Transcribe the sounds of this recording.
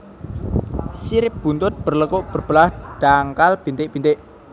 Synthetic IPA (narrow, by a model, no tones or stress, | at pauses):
siɾɪp̚b̥unt̪ʊt̪̚b̥ərləkoʔb̥ərb̥əlahɖ̥aŋkalb̥i̤nt̪ɪʔb̥int̪ɪʔ